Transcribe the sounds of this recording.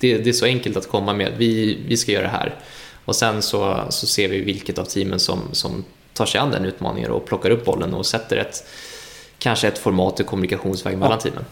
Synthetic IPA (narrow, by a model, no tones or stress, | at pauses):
d̪̥ɛd̪ɛæʂɔɛŋkəlt̪at̪kʰɔmːamḛd̪vɪvɪskajœːɾa̰d̪ɛɦæ̰ːɾ | ɔsɛnsɔsɔseːɾvɪvɪlkət̪avt̪ʰiːmənsɔ̰msɔm | t̪ʰɑːʂɛjand̪ɛ̰nʉ̟ːt̪mɑ̰ːnɪ̰ŋə̰ɾɔ̰pʰlɔkːaɾɵpːbɔlːənɔ̰sɛt̪ːəɾɛt̪ | kʰanʂəɛt̪fɔɾmɑːt̪ːɪkʰɔmɵnɪkaɧuːnsvɛ̰ːɡmɛlːant̪ʰḭːmʔə̰n